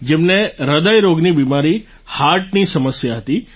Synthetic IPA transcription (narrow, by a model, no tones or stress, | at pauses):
d͡ʒemneɾəd̪əjɾoɡnibimaɾi | haɾʈ̚nisəməsjaɦət̪i